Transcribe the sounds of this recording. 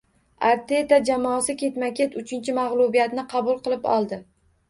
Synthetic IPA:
aɾt̪ʰe̞t̪ad͡ʒamɒsɪkʲʰe̞t̪makʲʰe̞t̪ʊt͡ʃʰɪnt͡ʃʰɪmaʁlˠubijat̪nɪqʰɑbʊlˠqɨlˠɪpɒ̰lˠd̪ɪ

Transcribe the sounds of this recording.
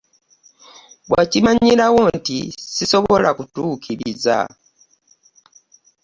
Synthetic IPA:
βwacimaɲilawo̞ntisiso̞βo̞lʔakutuːkʰiɾiza̰

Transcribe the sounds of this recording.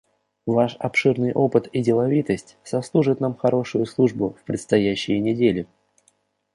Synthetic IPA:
vaʂɐpʂɨrnɨjʔo̞pɨt̪ɪdʲɪlˠɐvʲit̪əsʲtʲsɐslˠuʐɨt̪namxɐɾʔo̞ʂʊjʊslˠuʐbʊfpɾʲɪt̪st̪ɐjæɕːɪjənʲɪdʲelʲɪ

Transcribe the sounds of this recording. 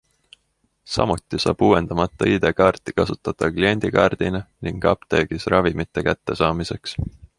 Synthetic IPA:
sɑ̰mut̪ːˑisɑ̰ːb̥uːend̪̥ɑmɑt̪ˑːɑid̪̥e̞kɑrt̪ːˑikɑsut̪ːˑɑt̪ːɑklie̞nʲd̪̥ikɑːrd̪̥ineniŋɡɑ̰pt̪eːɡ̥isrʔɑvimit̪ːe̞kæt̪ːe̞sɑːmise̞ks

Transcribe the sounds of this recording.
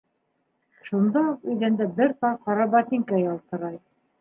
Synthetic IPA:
ʃund̪ɑuqɵ̆jðænd̪æbɘɾt̪ɑqɑɾɑbɑt̪ʲiŋkæjɑlˠt̪ɤ̆ɾɑj

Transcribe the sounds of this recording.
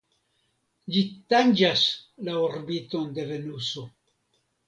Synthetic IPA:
d͡ʒit̪and͡ʒaslaoɾbit̪onde̞ve̞nuso

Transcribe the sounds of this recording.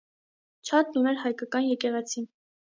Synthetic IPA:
t͡ʃʰɑt̪̚nunɛɾɦɑjkɑkɑnjɛkɛʁɛt͡sʰin

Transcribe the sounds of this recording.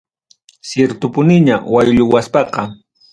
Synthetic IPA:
sjeɾt̪ʊpʊnɪɲawajʎʊwaspɑqɑ

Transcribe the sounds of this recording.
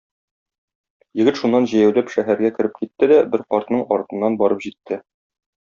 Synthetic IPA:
jɘ̆ɡɘt̪ʃunːɑnʑæ̆jæwlæpʃæɦæɾɡækɘ̆ɾɘp̚kit̪ːɘd̪æbɘɾqɒɾt̪nɤɴɒ̰ɾt̪ɤ̆nːɑnbɒɾɤpʑit̪ːɘ

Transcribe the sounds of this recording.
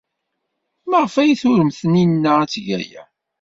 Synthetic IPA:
məʁəfæjiθʊɾəmθəninːəæt͡sːʝæ̰jæ̰

